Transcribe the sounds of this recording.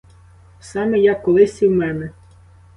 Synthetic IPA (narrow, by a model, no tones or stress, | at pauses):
sɑmejɑkːɔlˠɪsʲiwmɛnɛ